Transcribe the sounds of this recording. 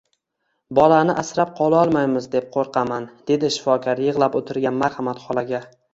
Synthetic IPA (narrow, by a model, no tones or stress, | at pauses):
bɒlanɪʔasɾap̚qʰɒlˠaɒlˠmajmɪzd̪e̞p̚qʰoɾqʰɑmand̪̥e̞d̪ɪʃɪ̥fɒkʰɒɾjɨʁlˠapot̪ʰɪɾɡʲanmaɾhamat̪χɒlˠaɡʲa